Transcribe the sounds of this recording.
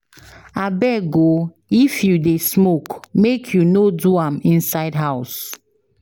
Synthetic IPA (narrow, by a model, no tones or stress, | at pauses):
abɛɡo | ifjudesmokmekʰjunoduãmĩnsaɪdɦaʊs